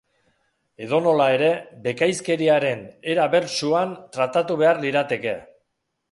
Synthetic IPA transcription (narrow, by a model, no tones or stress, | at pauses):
e̞ðo̞no̞lae̞ɾe̞be̞kajske̞ɾiaɾe̞ne̞ɾaβe̞ɾt͡ʃuant̪ɾat̪at̪uβe̞arliɾat̪e̞ke̞